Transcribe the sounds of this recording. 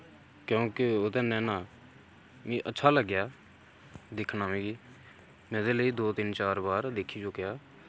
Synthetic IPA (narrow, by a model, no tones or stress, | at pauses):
kjõːkɪoːt̪ẽːnɛ̃ːnaː | mĩːʔətːʃʰaːləɡjaː | d̪ɪkʰnaːʋĩːɡiː | mɛ̃ːd̪eːləiːd̪oːt̪ɪnt͡ʃaːɾbaːɾd̪ekʰːiːt͡ʃokɪjaː